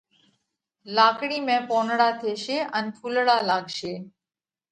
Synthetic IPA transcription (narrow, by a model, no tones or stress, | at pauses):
laːkɽiːmẽːpoːnɽaːt̪ʰeːʃeːʔənpʰuːlɽaːlaːɡʱʃeː